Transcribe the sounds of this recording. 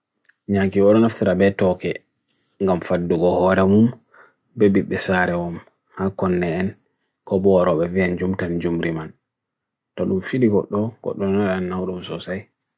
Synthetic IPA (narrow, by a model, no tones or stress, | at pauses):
ɲakiɔɗɔnaftiɾabɛtɔkɛ | ŋɡamfadːuɡɔhɔɾɛmum | bɛbiɓːɛsaɾɛwɔm | hakɔnːɛːn | kɔbɔwaɾɔɓɛviand͡ʒumtand͡ʒumɾiman | tɔɗumfiɗiɡɔɗːɔɡ̥ɔ̰ɗːɔnaɗanːawɗumsɔsaj